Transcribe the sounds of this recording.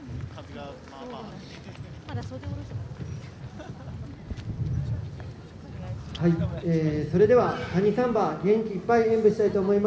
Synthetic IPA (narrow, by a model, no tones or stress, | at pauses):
haieːso̞ɾe̞d̪e̞βat̪aɲ̟isãmbaɡẽ̞ŋkʲiːpːaiẽmbɯ̟ɕi̥t̪ait̪oːmo̞ima